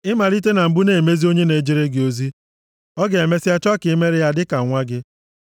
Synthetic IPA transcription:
ɪ˦ma˨li˦t̬e˦na˨m̩˨bu˦ne˨me˦zi˦o˦ɲe˦ne˨d͡ʒi˦ɾe˦ɡɪ˨o˦zi˦ | ɔ˦ɡe˨e˨me˦sɪ˦a˦t͡ʃɔ˦a˦kɪ˨˦me˦ɾɪ˦ja˦dɪ˦ka˨ŋʷa˦ɡɪ˦

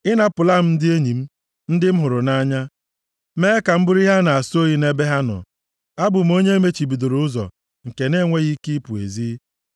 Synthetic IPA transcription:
ɪ˦na˦pʊ˨la˦m̩˦n̩˦dɪ˦e˦ɲi˨m̩˦ | n̩˦dɪ˦m̩˦ɦʊ˨ɾʊ˨na˦ɲa˦ | me˦ka˨m̩˦bʊ˦ɾi˦ɦa˦na˨a˨so˦ji˦ne˦be˦ɦa˦nɔ̰˨ | a˦bʊ˨m̩˦o˦ɲe˦e˦me˦t͡ʃi˨bi˨do˨ɾʊ˨ʊ˦zɔ̰˨ | ŋ̩˨ke˨ne˦˨ŋʷe˦ɣi˦ki˦pu˨ḛ˨zi˦

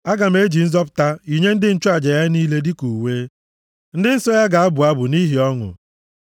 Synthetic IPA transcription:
a˦ɡa˨m̩e˦d͡ʒi˨n̩˦zɔ˦p̬ʊ̥˨ta˦i˨ɲe˦n̩˦dɪ˦n̩˦t͡ʃʊ˦a˨d͡ʒa˨ja˦niː˦le˦di˦ku˨weː˦ | n̩˦dɪ˦n̩˦sɔ˦ja˦ɡa˨a˦bʊ˨a˦bʊ˨ni˦ɦi˨ɔ˦ŋʊ̰˨

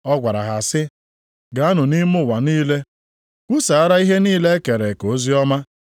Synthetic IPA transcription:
ɔ˦ɡʷa˨ɾa˨ɦa˨sɪ˦ | ɡa˨a˦nʊ˨ni˦mʊ˦˨wa˨niː˦le˦ | ku˦sa˨a˦ɾa˦i˦ɦe˦niː˦le˦e˦ke˨ɾe˨ko˨o˦zi˦ɔ˦ma˦

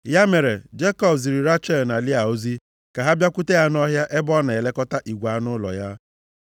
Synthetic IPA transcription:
ja˦me˨ɾe˨d͡ʒe˦kɔ˦bzi˨ɾi˨ɾa˦t͡ʃɛ˦˨lna˨lɪ˦a˨o˦zi˦ | ka˨ɦa˦bja˦kʷu˦te˦ja˦nɔ˦ɦja˦ʔe˦bɔ˦na˨e˨le˦kɔ˦ta˦ʔi˨ɡʷa˦nʊ˦lɔ̰˨ja˦

